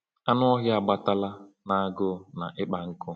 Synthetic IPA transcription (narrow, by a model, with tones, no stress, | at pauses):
a˦nʊ˦ɔ˦ɦja˨ɡ͡ba˦ta˦la˦ | na˨a˨ɡʊ˦˨na̰˨ʔɪ˦k͡pa˨ŋ̩˦kʊ˦